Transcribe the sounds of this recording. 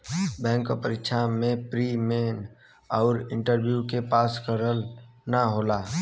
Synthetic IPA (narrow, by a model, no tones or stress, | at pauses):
bɛ̃ːŋkopəɾɪkʃʰamẽpɾimeːn | ɔːɾɪ̃ɳʈəɾbjukepaːskəɾəlnaɦoːlaː